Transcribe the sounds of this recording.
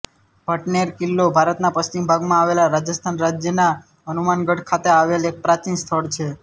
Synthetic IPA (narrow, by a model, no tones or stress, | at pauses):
bʱəʈneɾkɪlːobʱaɾət̪napəst͡ʃimbʱaɡmãaʋelaɾad͡ʒəst̪ʰanɾad͡ʒjəna | ənumanɡəʈkʰat̪eaʋelek̚pɾat͡ʃinst̪ʰəɭt͡ʃʰe